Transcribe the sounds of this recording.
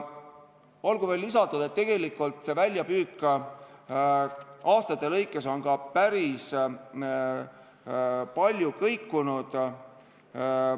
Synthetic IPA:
o̞lɡ̥uve̞ːlːisɑt̪ːˑud̪̥e̞t̪ːe̞ɡ̥e̞likːˑult̪ˑse̞vælʲjɑpyːkːˑ | ɑːst̪ɑt̪ːˑe̞lɤ̞jkːˑe̞so̞nɡ̥ɑpæɾis | pɑlʲjukɤjkːunud̪̥

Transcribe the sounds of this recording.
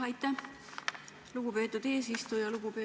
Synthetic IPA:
ɑjt̪ːæ | luɡ̥upe̞ːt̪ːud̪̥e̞ːs̬ist̪ujɑluɡ̥upeː

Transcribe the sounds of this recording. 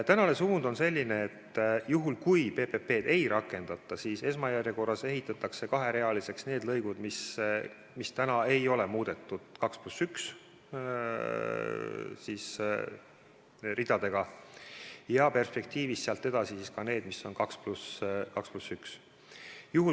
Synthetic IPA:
t̪ænɑle̞suːnd̪o̞nse̞lʲːine̞ːt̪ːjuɦulkujpe̞pe̞pe̞ːd̪e̞jɾɑkːˑe̞nd̪̥ɑt̪ːˑɑsiːse̞smɑjærjeko̞rːɑse̞ɦit̪ːˑɑt̪ːˑɑkse̞kɑɦe̞ɾe̞ɑlise̞ksne̞ːd̪lɤjɡ̥ud̪mis | mist̪ænɑe̞jo̞le̞muːd̪̥e̞t̪ːˑud̪̥kɑksplusyks | siːs | rid̪̥ɑd̪̥e̞ɡ̥ɑ | jɑpe̞rspe̞k̚t̪iːvist̪ːeɑlt̪ːe̞d̪ɑsisiskɑne̞ːd̪misːo̞nkɑkspluskɑksplusyks | juhu

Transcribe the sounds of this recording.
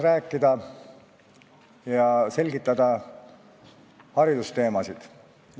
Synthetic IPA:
ræːkːˑid̪ɑ | jɑse̞lʲɡit̪ːˑɑd̪ɑ | hɑɾid̪̥ust̪e̞ːmɑsid̪̥

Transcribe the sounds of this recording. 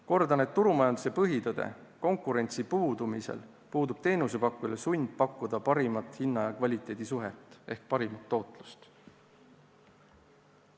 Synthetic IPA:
ko̞rd̪ɑne̞t̪ːuɾumɑjɑnd̪use̞pɤɦit̪ɤd̪̥ḛko̞ŋkˑuɾe̞nʲt̪sipuːd̪umisḛl | puːd̪ub̥t̪e̞ːnuse̞pɑkːulesunʲb̪̥̚pɑkːˑud̪̥ɑpɑɾimɑt̪hinːɑjɑkvɑlʲit̪ːˑe̞ːd̪̥isuɦet̪ːˑe̞hk̚pɑɾimɑt̪ːo̞ːt̪ˑlu̥st̪

